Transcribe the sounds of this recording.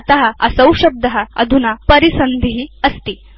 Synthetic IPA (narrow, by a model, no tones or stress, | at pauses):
t̪əɦəɐsɐ̃wɕɐb̚d̪ɐɦəɐ̰d̪ʱunapəɾisənd̪ʱiɦiəst̪iː